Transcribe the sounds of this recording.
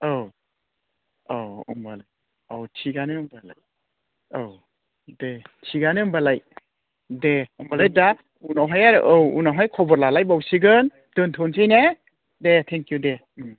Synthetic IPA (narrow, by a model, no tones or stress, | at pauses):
aw | awɯ̰mbalaj | awtʰiɡanɯɯmbala̰j | aw | detʰiɡanɯɯmbalaj | deɯmbalajda | unaɦajaɾʔowṵnaɦajkʰɔbɔɾlalajbawsiɡɯn | dɯntʰɔnsijne | detʰeŋkjude | m